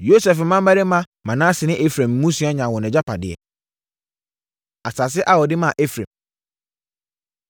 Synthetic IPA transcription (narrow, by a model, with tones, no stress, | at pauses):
jo˦sɛ˨fm̩˨mã˦m˦ba˦ɾɪ˦mã˦ | mã˨nãː˦sɪ˨nɪ̃˦ʔe˦fɾɛ̃˨mː˨˦ũ˦su˦a˦ɲã˨wɔ̃˨nɛ̃˨d͡ʑa˦pʰa˨dɪ̰˨ɛ̰˨ | a˨saː˨s̬ɪ˦ʔa˨wɔ˨dɪ˦mã˨ʔe˦fɾḛ̃˨m